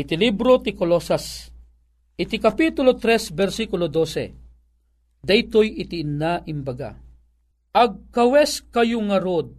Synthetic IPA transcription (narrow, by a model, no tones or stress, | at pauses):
ɪt̪ilibɾot̪ikolosas | ʔɪt̪ikapit̪ʊlot̪ɾɛsbɛɾsikʊlod̪osɛ̰ | d̪ajt̪ojʔɪt̪iːnːaʔɪmbɐɡa̰ | ɐɡ̚kɐwɛskɐjoŋɐɾod̪̚